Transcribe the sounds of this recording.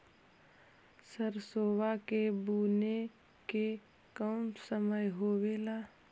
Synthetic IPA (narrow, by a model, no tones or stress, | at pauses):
səɾsoːwakebuːne | ke | kəːmsəməjɦoːweːlaː